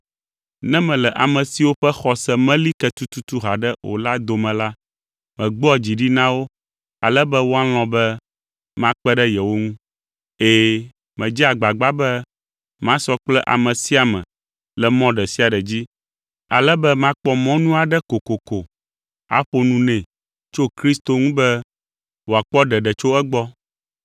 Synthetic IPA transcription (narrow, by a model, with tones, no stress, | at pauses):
nɛ̃˦mɛ̃˨lɛ˨ʔa˨mɛ̃˨si˦wo˦ɸɛ˦xɔ˨sɛ˦mɛ̃˦li˦kɛ˦t̪u˦t̪u˦t̪u˦ɦa˨ɖɛ˦o̰˨la˦d̪o˨mɛ̃˨la˦ | mɛ̃˨ɡ͡bɔ˦˨d͡ʑi˨ɖi˦nã˦wo˦ | a˨lɛ˦bɛ˦wo˦a˦l̃ɔ̃˨bɛ˦ | mã˦k͡pɛ˦ɖɛ˦jɛ˨wo˦ŋũ˦ | eː˦ | mɛ̃˨d͡ʑi˦a˨ɡ͡ba˨ɡ͡ba˦bɛ˦ | mã˦sɔ˦k͡plɛ˦ʔa̰˨mɛ̃˨si˦a˨mɛ̰̃˨ | lɛ˨mɔ̃˦ɖɛ˨si˦a˨ɖɛ˨d͡ʑi˦ | a̰˨lɛ˦bɛ˦mã˦k͡pɔ˦mɔ̃˦nũ˦a˨ɖɛ˦ko˨ko˨ko˨ | a̰˦ɸo˦nũ˦nɛ̃˨ | t͡ʃo˦kɾi˦st̪o˨ŋũ˦bɛ˦ | wo˨a˨k͡pɔ˦ɖɛ˨ɖɛ˨t͡ʃo˦ɛ˦ɡ͡bɔ˦